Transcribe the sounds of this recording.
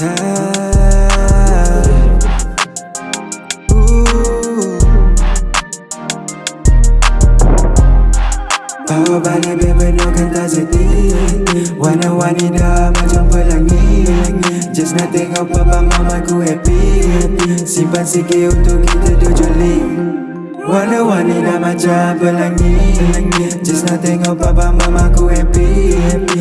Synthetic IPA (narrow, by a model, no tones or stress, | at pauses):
a | u | t̪aobalebebənoɡənt̪azət̪i | wanawanidaməd͡ʒuŋbəlaŋi | d͡ʒəsnat̪ɛŋɔpabamamakuɦɛpi | sipat̪̚sikeunt̪ʊkːit̪ədud͡ʒəli | wanəwanidamad͡ʒabəlaŋi | d͡ʒəsnat̪ɛŋɔpabamamakuɦɛpi